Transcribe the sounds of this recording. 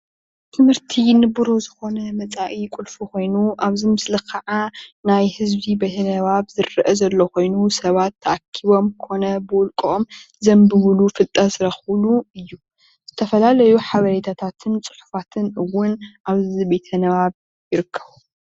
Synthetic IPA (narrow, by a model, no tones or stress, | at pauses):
t̪ʰɨmhɨɾt̪ʰinɨbɨɾozɨxo̞nɐmɐt͡sʼaʔikʷʼʊlfuko̞jnuʔaβzimɨslɨkʰːaʕanajhɨzβibet̪ʰɐnɐβaβzɨɾːʔɐzɐlːokʰo̞jnusɐβat̪ʰːɐʔakʰːiβo̞mkʰo̞nɐbɨwʊlkʼom | zɐmbɨmɨlufɨt̪ʼːɐzɨɾɐxluɨjːu | z̥ɨt̪ʰɐfɐlalɐjuħaβɐɾet̪ʰat̪ʰat̪ʰɨnt͡sʼɨ̥ħu̥fat̪ʰɨnʔɨwːʊnʔaβzɨzibet̪ʰɐnɐβaβ | jɪɾɨkʰːɐ̥βu